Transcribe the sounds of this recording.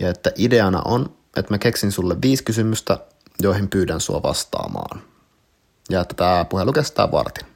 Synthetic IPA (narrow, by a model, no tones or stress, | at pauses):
jɑet̪ːæʔideɑnɑ̰ʔon | ʔet̪mækeksinsulːeʋʋiːskysymyst̪æ | joihimpyːdænsuɑ̰ʋɑ̰st̪ɑ̰ːmɑ̰ːn | jɑet̪ːæt̪æːpuhelukest̪ɑ̰ːʋɑ̰rt̪e̥n